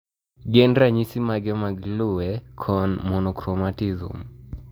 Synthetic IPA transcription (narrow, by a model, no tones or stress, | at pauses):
ɡɛndɾaɲisimaɡɛmaɡlʊwɛkʰɔnmɔnɔkɾɔmatizṵm